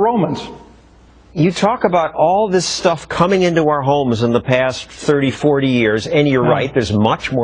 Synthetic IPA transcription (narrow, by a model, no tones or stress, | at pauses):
õʊ̃mə̃nz̥ | jɨtʰɔkəbaʊɾɔlˠðɪstʌfkʰʌmɪ̃ŋɪ̃ntuaʊə˞ɦõʊ̃mzə̃nðəpʰæsθɜ˞ɾifɔɹɾijɪɹzɨ̃njə˞ɹaɪt̪̚ðə˞zmʌt͡ʃmɔ